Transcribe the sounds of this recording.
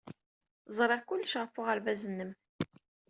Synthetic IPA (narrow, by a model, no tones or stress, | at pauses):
zˤɾˤeʁkʷʊlːʃʁəfʊʁəɾvæzənːəm